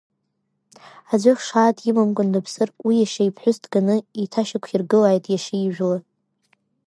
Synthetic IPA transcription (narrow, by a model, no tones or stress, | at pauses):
azʷaχʂaːtʰʼjɪmamkʷʼʊndapʰsɨrwijaʃaipʰħʷᶣʊstʰʼɡanɨitʰaʃakʷʰirɡɨlaːjtʼjaʃaiʒᶣla